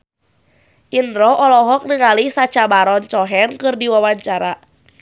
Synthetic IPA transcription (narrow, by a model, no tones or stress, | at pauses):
ʔinɾɔʔɔlɔɦɔk̚nəŋalisat͡ʃabaɾɔnt͡ʃɔɦɛnkɨrdiwawaɲt͡ʃaɾa